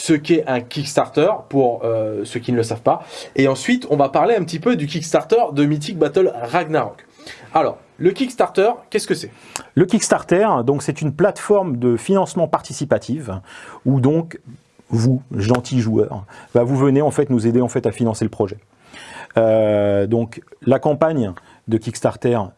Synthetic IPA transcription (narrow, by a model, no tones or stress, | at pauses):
səkʲɛɛ̃kʲikst̪aʁt̪œʁpuʁøsøkʲinləsavpaeɑ̃sɥit̪ɔ̃vapaʁleɛ̃pət̪ipød̪yk̬ʲikst̪aʁt̪œʁd̪əmit̪̬ik̚bat̪œlʁaɡnaʁɔk | alɔ̰ːʁ | ləkʲikst̪aʁt̪œʁkʲɛskəsɛləkʲikst̪aʁt̪ɛʁd̪ɔ̃ksɛt̪ynplat̪fɔʁmd̪əfinɑ̃smɑ̃paʁt̪isipat̪ʰifud̪ɔ̃k | vuʒɑ̃t̪ʰiʒuœ̰ʁvavuvəneɑ̃fɛt̪nuzed̪eɑ̃fɛt̪afinɑ̃selpχɔʒɛ | ød̪ɔ̃klakɑ̃paɲ | d̪əkʲikst̪aʁt̪ɛʁ